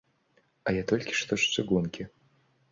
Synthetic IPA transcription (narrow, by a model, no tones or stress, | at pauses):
ajat̪ʰolʲkʲɪ̥ʂt̪ʰoʂsɨɡunkʲɪ